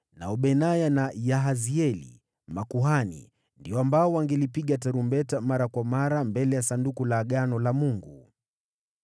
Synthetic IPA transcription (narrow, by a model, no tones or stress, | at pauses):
na̰ɔɓɛnajanajaɦaziɛlḭ | makuɦanḭ | ndiɔambaɔwaŋɡɛlipiɠatɛɾumbɛtamaɾakwamaɾambɛlɛjasandukulaːɠanɔlamuŋɡu